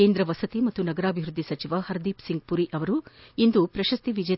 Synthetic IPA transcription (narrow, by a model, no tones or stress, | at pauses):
eːnd̪ɾɐʋɐsɐt̪imɐt̪ːunɐɡɐɾaːbʱiʋɾud̪ʱːisɐt͡ʃiʋɐhɐɾd̪iːpsiŋɡ̚puɾiʔɐʋɐɾuind̪upɾɐʃɐst̪iʋid͡ʒɐ